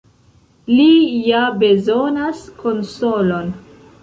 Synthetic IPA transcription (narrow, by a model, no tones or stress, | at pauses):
lijabe̞zonaskʰo̞nsolo̞n